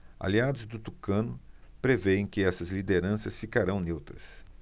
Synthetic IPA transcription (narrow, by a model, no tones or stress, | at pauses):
a̰liad̪ʊzd̪ʊt̪ukɐ̃nʊpɾeveẽj̃kɪɛsɐzlid̪eɾɐ̃sɐsfikaɾɐ̃w̃newt̪ɾɐs